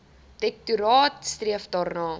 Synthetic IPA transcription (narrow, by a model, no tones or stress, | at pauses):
dɛk̚tuɾɑːtstriəfdɑːrnɑː